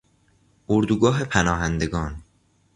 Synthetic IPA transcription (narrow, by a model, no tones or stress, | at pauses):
oɾd̪uɡɒːɦe̞pʰænɒːɦænd̪e̞ɡɒːn